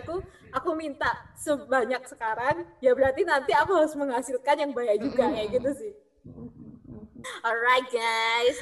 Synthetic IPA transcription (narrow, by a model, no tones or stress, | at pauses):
ku | ʔakumint̪asəbaɲak̚sə̥kaɾaŋjabəɾart̪inant̪iakuɦaɾʊsməŋɦasilkanjaŋbajaʔd͡ʒuɡaʔjaɡit̪usɪh | ɔɾajt̪̚ɡajs